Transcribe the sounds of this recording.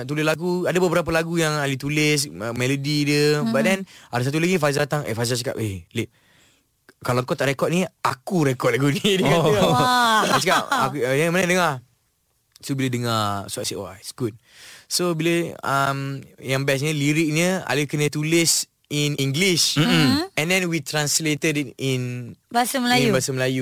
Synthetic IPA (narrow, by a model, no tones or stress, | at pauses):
aʔt̪ulɪslaɡuadabəbəɾap̬alaɡujaŋalit̪ulɪs̬əmɛlodidəbadɛnadas̬at̪̬ulaɡĩfazat̪aŋʔḛfazasəka̰p̚eleʔ | kalaŋkɔt̪aʔɾekɔt̚niakuɾekɔt̚laɡunidə | asəkapa̰kumanadəŋa | sobilədəŋaswaʔsɛʔwa̰isɡut̚ | sobiləəmjãŋbɛs̬ɲəliɾik̚nəa̰lukənət̪ulɪs | iniŋɡlis̩ | ɛ̃ndɛ̃nwit̪ɾãnslet̪ədinbasəməlajubasəməlaju